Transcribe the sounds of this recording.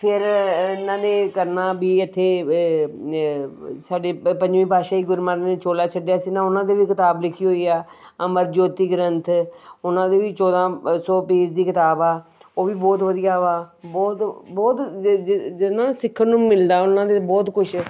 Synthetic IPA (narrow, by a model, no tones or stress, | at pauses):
pʰɪɾɪnãːnẽːkəɾnaːbiːɪt̪ʰːeː | saːɖeːpə̃ɲd͡ʒʋĩːpaːʃaːiːɡʊɾmaːɾneːt͡ʃoːlaːt͡ʃʰəɖjaːsiːnãːʊnãːd̪eːʋiːkɪt̪aːblɪkʰiːɦoːiːaː | əməɾd͡ʒoːt̪iːɡɾənt̪ʰʊnãːd̪eːʋiːt͡ʃɔːd̪ãːsɔːpeːd͡ʒd̪iːkɪt̪aːbaːoːʋiːbɔːt̪ʋəd̪ijaːʋaːbɔːt̪bɔːt̪ | nãːsɪkʰːənũːmɪld̪aːʊnãːd̪ebɔːt̪kʊʃʰ